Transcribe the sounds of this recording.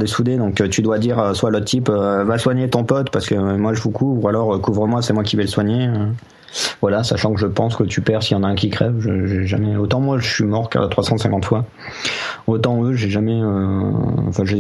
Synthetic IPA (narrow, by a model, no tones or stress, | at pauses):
d̪esud̪ed̪ɔ̃kt̪yd̪wad̪iʁøswalot̪t̪ipøvaswaɲet̪ɔ̃pɔt̪paʁsə̥kəmwaʒəvukʰuvualɔʁøkuvʁəmwasɛmwakʲivɛləswaɲeø | vwalasaʃɑ̃kəʒəpɑ̃skət̪ypɛʁsijɑ̃naɛ̃kʲikχɛvʒəʒɛʒamɛot̪ɑ̃mwaʒəsɥimɔʁka̰t̪χwasɑ̃sɛ̃kɑ̃t̪fwa | ot̪ɑ̃øʒeʒamɛøɑ̰̃fɛ̃ʒe